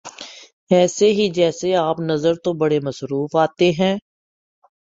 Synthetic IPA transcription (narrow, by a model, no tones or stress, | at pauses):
ɛːseɦid͡ʒɛːseaːpnəzəɾt̪õbəɽeːməsɾuːfaːt̪eɦɛ̃ː